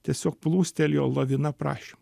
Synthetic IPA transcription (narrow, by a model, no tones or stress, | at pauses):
t̪ʲiɛsʲoːk̚plˠuːsʲt̪ʲɛlʲjoːlˠɐʋʲɪnɐpɾɑ̰ːʃʲem